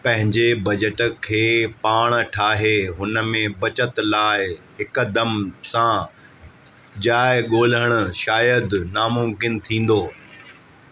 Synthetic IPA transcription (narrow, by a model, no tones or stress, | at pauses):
pɐ̃ɦɪ̃ɲd͡ʑebɐd͡ʑəʈkʰeːpaːɽ̃ʈʰaːɦeɦʊnə̆mẽbɐt͡ɕət̪laːɪɦɪkd̪ɐmsã | d͡ʑaːɪɠoːləɽ̃ʊ̆ʃaːjəd̪naːmʊmkɪnt̪ʰĩːn̆d̪oː